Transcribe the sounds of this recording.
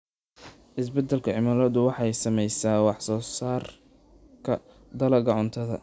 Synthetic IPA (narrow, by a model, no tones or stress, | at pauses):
ʔɪsbɐd̪ːɛlkʰɐʕɪmaːlɔːd̪ʊwɑħɑjsɐmɛjsaːwɑħsɔːsaːr | kʰɐ | d̪ɐlɐɣɐʕʊnt̪ʰɐðɐ̰